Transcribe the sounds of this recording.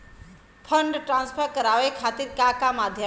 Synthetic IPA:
pʰəɳɖʈɾãnspʰəɾkəɾaʋekʰat̪iːɾkakamad̪ʱjə

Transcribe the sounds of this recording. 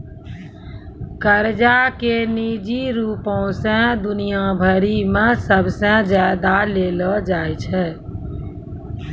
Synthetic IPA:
kəɾd͡ʒakeniːd͡ʒiɾuːpɔ̃sə̃d̪ʊnijabʱəɾimẽsəbʱsə̃d͡ʒjaːd̪aleːlɔd͡ʒaːjt͡ʃʰɛː

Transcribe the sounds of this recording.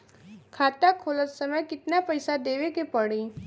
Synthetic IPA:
kʰaːt̪akʰoːlət̪səməjkɪt̪napɐɪsad̪eːʋekepɐɽiː

